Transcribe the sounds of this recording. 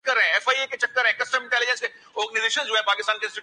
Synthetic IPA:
kːəɾɦɛ̃ɛːfaːieket͡ʃɐkːəɾɦɛ̃kɐsʈəmɪ̃ɳʈɛːlɪd͡ʒə̃nske | ɔːɾɡnizeːʃənzd͡ʒoɦɛ̃paːkɪst̪aːnkeɪ̃nsʈɪ

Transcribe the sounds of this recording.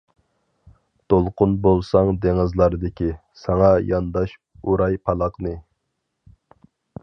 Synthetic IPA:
t̪olˠqʊnbolˠsɑŋd̪eŋɨzlˠɑɾd̪ɪkʲʰi | sɑŋɑjɑnd̪ɑʃ | uɾɑjpʰɑlˠɑqnɨ

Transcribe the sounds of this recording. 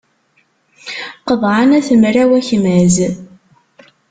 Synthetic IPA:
qəðˤʕanæθəmɾæwæçmæz

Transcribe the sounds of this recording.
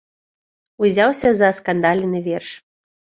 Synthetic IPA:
uzʲawsʲɐzɐskand̪alʲnɨvʲɛrʂ

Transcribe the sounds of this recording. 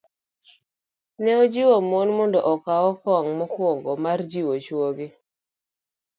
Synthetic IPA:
nɛɔd͡ʒiwomonmɔndɔʔɔkawɔkɔŋmɔkwɔŋɡɔmard͡ʒiwot͡ʃwoɡɪ

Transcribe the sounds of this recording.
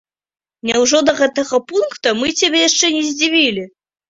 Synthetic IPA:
nʲɛwʐɔd̪ɐɣɛt̪ɐɣɐpunkt̪ɐmɨt͡sʲabʲɛjaʂt͡ʂɛnʲɛzʲd͡zʲivʲilʲi

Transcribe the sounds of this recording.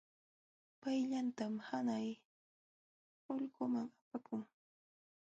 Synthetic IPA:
pajʎant̪amhanaj | ʊʎɢʊmaŋapakʊŋ

